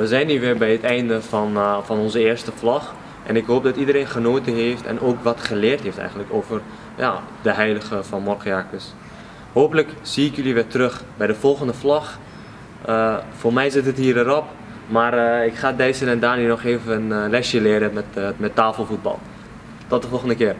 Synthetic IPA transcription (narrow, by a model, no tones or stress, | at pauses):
ʋəzɛjnːyʋɪbɛjətɛjndəfɔnfɑnɔnzəɪːɹstəflɔx | ʔɛnɪkɦoːp̚dɔtidəɾeːnχənoːtəɦeːftɛ̰nʔoːkʋɔtχəlɪːrtɦeːftɛ̰jɣəndləkoːvər | ja̰ | dəɦɛjləɣəfɑnmɔrəakəs | hoːpələksiːɪkjøliʋɪtrøχbɛjdəfɔlˠχəndəflɔx | əfoːrmɛjzɪtətɦiːrəɾɔp̚ | maːɾɪkχaːdɛjsənɛndaːniənɔχeːvənənlɛsjəlɪːɾəmɛtmɛtːaːfəl̩ˠfud̚bɑ̰lˠ | tɔt̚dəfɔlˠχəndəkɪːr